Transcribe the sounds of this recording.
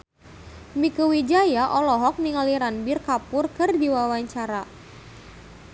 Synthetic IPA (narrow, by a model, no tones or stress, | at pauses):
mikəwid͡ʒajaʔɔlɔɦɔk̚niŋaliɾanbɪrkapʊrkɨrdiwawaɲt͡ʃaɾa